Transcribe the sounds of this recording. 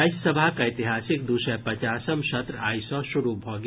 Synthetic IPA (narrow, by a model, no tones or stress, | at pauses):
aɪsɐbʱakaɪt̪ɪɦaːsɪk̚d̪uːʃə̃pɐt͡ʃaːsəmʃɐt̪ɾaːisɔʃʊɾubʱɔːɡ